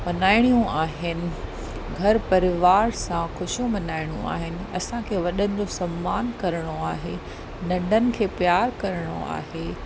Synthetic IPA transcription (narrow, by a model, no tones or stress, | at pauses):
mɐnaːɪɽ̃ijũʔaːɦɪnɪ̆ | ɡʱɐɾpɐɾɪʋaːɾsãxʊʃjõmɐnaːɪɽ̃ṵ̃a̰ːɦɪnɪ̆ɐsãkʰeːʋɐɗənɪ̆d͡ʑosɐmːaːnkɐɾəɽ̃oaːɦe | nɐ̃ɳɖʱənɪ̆kʰeːpjaːɾkɐɾəɽ̃o̰a̰ːɦeː